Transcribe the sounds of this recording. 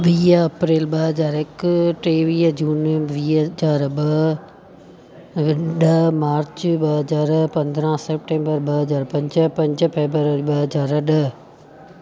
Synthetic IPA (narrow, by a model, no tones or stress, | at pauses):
ʋiːɐpɾeːlɓɐɦəzaːɾɪkʈeːʋiːd͡ʒuːnʋiːɦzaːɾɓɐ | ɗəmaːɾt͡ʃɓɐɦɐzaːɾpɐ̃nd̪ɾãːsep̚ʈẽːmbəɾɓɐɦɐzaːɾpɐ̃ɲd͡ʒəpɐ̃ɲd͡ʒpʰeːbəɾəɾiɓɐɦəzaːɾɗɐ